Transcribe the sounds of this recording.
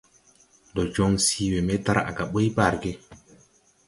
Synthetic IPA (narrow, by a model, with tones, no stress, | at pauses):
ndɔ˨d͡ʒo˦ŋsi˦we˨me˦ta˦ɾa̰˨ɡa˨ɓo˦jba˦˨ɾɡe˦